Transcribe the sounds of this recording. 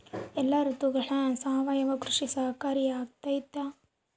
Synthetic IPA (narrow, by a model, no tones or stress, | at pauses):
ɛlːɐɾut̪uɡɐɭɐsaːɐʋajɐʋɐkɾuʂisɐɦkaːɾijaːɡ̚t̪aːjit̪ːa